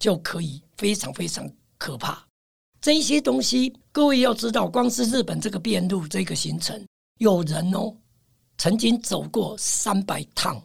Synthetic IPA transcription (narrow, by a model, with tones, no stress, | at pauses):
t͡ɕjo˥˩ʊkʰɤ˧˥i˨˩fe˥ɪʈ͡ʂʰɑ˧˦˥ŋfe˥ɪt͡sʰɑ˧˥ŋ | kʰɤ˨˩pʰa̰˥˩ | ʈ͡ʂɤ˥˧i˥˩ɕjɛ˥t̪ʊ˥ŋɕi˥kɤ˥˧we˥˧ɪjɑ˥˩ʊʈ͡ʂɻ̩˥t̪ɑ˥˩ʊkwɑ˥ŋʂɻ̩˥˧ɻ̩˥˩pə˨˩nʈ͡ʂɤ˥˩ɡə˨˩pjɛ˥˧nlu˥˨ʈ͡ʂɤ˥˧i˧ɡə˨ɕi˧˥ŋt͡sʰə̰˧˦ŋ | jo˨˩ʊɻə˨˦nɔ˦ | t͡sʰə˧˦˥ŋt͡ɕi˥ŋt͡so˨˩ʊkwɔ˥˩sa˦˥npa˨˩ɪt̪ʰɑ̰˥˩ŋ